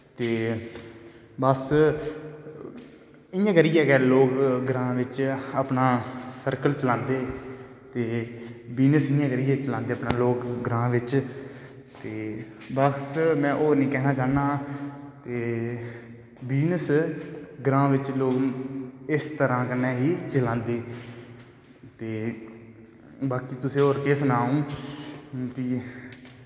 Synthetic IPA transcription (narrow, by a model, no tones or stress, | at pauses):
t̪eː | bəs | ɪjãːkəɾɪjɛːkɛːloːkɡɾãːʋɪt͡ʃəpnaːsəɾkəlt͡ʃəlãːnd̪eː | t̪eːbiːnəsɪjãːkəɾɪjɛːt͡ʃəlãːnd̪eːəpnaːloːkɡɾãːʋɪt͡ʃ | t̪eː | bəsmɛ̃ːʔoːɾnĩːkɛːɦnaːt͡ʃaːnaːt̪eː | biːnəs | ɡɾãːʋɪt͡ʃloː | ɪst̪əɾãːkənːɛ̃ːɦiːt͡ʃəlãːnd̪eː | t̪eː | baːkiːt̪ʊsẽːoːɾkeːsənaːũː | ki